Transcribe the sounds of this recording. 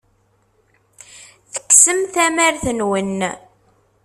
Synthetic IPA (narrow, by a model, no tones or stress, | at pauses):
θə̥kːsəmθæmæɾθənwən